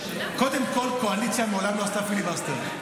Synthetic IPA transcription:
kod̪emkolkoalit͡ʃamolamnast̪afiliβast̪e

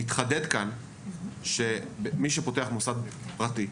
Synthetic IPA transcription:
itχade̞dkan | ʃebemiʃepo̞teaχmosad̪̚pʁati

